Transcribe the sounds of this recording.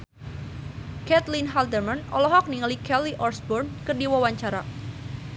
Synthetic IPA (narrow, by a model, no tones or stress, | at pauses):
kɛt̪linɦald̪ərmanɔlɔɦɔk̚niŋəlikɛliʔɔrsbɔrnkərdiwawaɲt͡ʃaɾa